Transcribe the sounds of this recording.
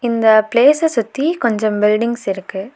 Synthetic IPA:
ɪnd̪ɐpleːsɐsʊt̪ːikɔɲd͡ʒɔ̃mbɪlɖɪŋɡsɪɾɯkːɯ

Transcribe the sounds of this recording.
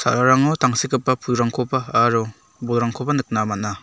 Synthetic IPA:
sa̰ɾaɾaŋɔtaŋsikɯpːapʰuɾaŋkʰɔpaːɾɔ | bɔlɾaŋkʰɔpanɯk̚namana

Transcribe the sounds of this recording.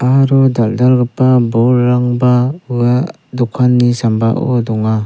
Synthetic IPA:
aɾɔdaldaɾɡɯpabɔɾːaŋbaa | dɔkʰanːisamba̰ʔo̰dɔŋa

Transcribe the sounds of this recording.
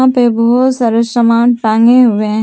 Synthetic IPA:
ãpebɔɦʊt̪saːɾesɾəmaːnʈãːŋɡeɦʊeɦ

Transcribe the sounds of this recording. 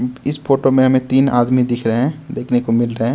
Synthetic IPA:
ɪspʰoːʈomẽɦɐmẽt̪iːna̰ːd̪mid̪ɪkʰɾəɦɛ̃d̪eːkʰnekomɪlɾəɦɛ̃ː

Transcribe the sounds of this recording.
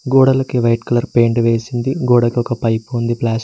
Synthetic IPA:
ɡoːɽɐlɐkiʋɐjʈkɐlɐɾpe̞ːɳɖʋe̞ːsind̪iɡoːɽɐkiɔkɐpɐjpund̪iplaːs

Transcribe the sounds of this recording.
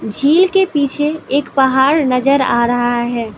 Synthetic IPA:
d͡ʒʱilkepit͡ʃʰeekpəɦaɾnəd͡ʒəɾa̰ɾəɦaɦɛː

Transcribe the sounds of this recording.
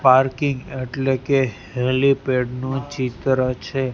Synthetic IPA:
paɾkiŋɡeʈleke | helipeɖnũt͡ʃit̪ɾət͡ʃʰe

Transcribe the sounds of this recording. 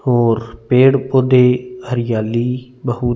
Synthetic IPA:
ɦoːɾpeːɽpoːd̪eːhəɾɪjaːliː | bəɦuː

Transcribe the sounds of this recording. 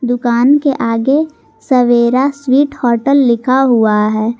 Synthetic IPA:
d̪ʊkaːnkeʔaːɡe | səʋeːɾaswiːʈhɔːɾʈəlːɪkʰaɦuaɦɛː

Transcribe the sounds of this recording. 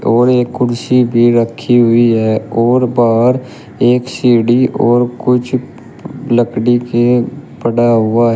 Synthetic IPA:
ɔːɾeːkːʊɽsibʱiɾəkʰːiɦʊiɦɛːɔːɾbaːɾ | eːksiːɽiɔːɾkʊt͡ʃʰ | ləkɽikepəɽaɦʊaɦɛ

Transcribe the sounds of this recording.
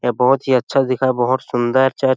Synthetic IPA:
ebɔɦɔt̪ɦiətːʃʰad̪ikʰaːjbɔɦɔt̪sʊnd̪əɛɾt͡ʃaɾ

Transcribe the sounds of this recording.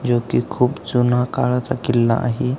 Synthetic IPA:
d͡ʑokikʰuːpt͡sunakaɭat͡sakilːa̰ʔa̰ɦe

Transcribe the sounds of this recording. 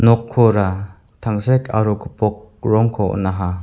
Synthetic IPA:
nɔkʰːɔɾa | t̪ʰaŋsɛkʰa̰ɾuɡɯpɔk̚ | ɾɔŋkʰɔ̰naɦa

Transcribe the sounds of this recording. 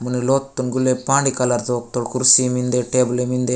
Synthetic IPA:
muniloːt̪ːunɡulːepaːɳɖikalaɾt̪oːk̚t̪oɽkuɾsimind̪eʈeblemind̪e

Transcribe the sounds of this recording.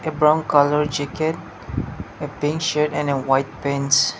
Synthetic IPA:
ebɹãʊ̃nkaləɹt͡ʃɪkɛt̚ | epɪ̃ŋkʃətɛ̃nəwajt̚pɛ̃ns

